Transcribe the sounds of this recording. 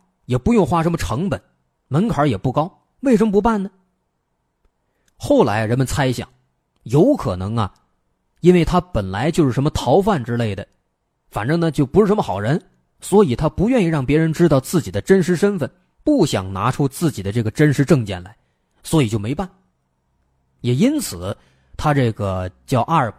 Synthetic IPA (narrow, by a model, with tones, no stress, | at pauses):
jɛ˨˩pu˧˥jʊ˥˧ŋxwa˥˩ʂə˧˥mə˧ʈ͡ʂʰɤ˧˥ŋpə˨˩˦n | mə˧˥nkʰə˞˨˧˥jɛ˨˩pu˥˩kɑ˥ʊ | we˥˩ɪʂ̬ə˧˥mə˥p̬u˧˥pa˥˩nnə˩ | xo˥˩ʊla˧˥ɪɻə˧˥nmə˧nt͡sʰa˥ɪɕjɑ̰˨˩˦ŋ | jo˧˥ʊkʰɤ˨˩nɤ˧˥ŋɐ̰˨ | i˥nwe˥˩ɪt̪ʰa˥pə˨˩nla̰˧˥ɪt͡ɕjo˥˧ʊʂɻ̩˥˩ʂə˧˥nmə˧t̪ʰɑ˧˥ʊfa˥˩nʈ͡ʂɻ̩˥le˥˩ɪd̪ə˩ | fa˨˩nʈ͡ʂɤ˥˩ŋnə˨˩t͡ɕjo˥˩ʊpu˧˥ʂɻ̩˥˩ʂə˧˥mə˧xɑ˨˩ʊɻə˧˥n | swɔ˧˥i˨˩t̪ʰa˥pu˧˥ɥɛ˥˧ni˥˩ɻɑ˥˩ŋpjɛ˧˥ɻə˧˥nʈ͡ʂɻ̩˥t̪ɑ˥˧ʊt͡sɹ̩˥˩t͡ɕi˨˩d̪ə˦ʈ͡ʂə˥nʂ̬ɻ̩˧˥ʂə˥nfə˥˧˩n | pu˥˩ɕjɑ̰˨˩ŋna̰˧˥ʈ͡ʂʰu˥t͡sɹ̩˥˩t͡ɕi˨˩d̪ə˦ʈ͡ʂɤ˥˩ɡə˩ʈ͡ʂə˥nʂɻ̩˧˥ʈ͡ʂɤ˥˧ŋt͡ɕjɛ̰˥˩nla̰˧˥ɪ | swɔ˧˥i˨˩t͡ɕjo˥˩ʊme˧˥ɪpa˥˩n | jɛ˨˩i˥nt͡sʰɹ̩˨˩˦ | t̪ʰa˥ʈ͡ʂɤ˥˩ɡə˩t͡ɕjɑ˥˧ʊʔa˥˩˨